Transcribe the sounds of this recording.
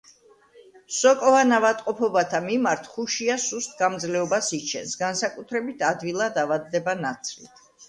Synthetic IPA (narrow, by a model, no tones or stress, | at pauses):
sɔkʼɔvanavat̪ʼqʼɔpʰɔbat̪ʰamimaɾt̪ʰχuʃiasust̪̚ʰɡamd̪zlɛɔbasit͡ʃʰɛ̰nsɡansakʼut̪ʰɾɛbit̪ʰad̪vilˠad̪avad̪̚ːɛbanat̪sʰlḭt̪ʰ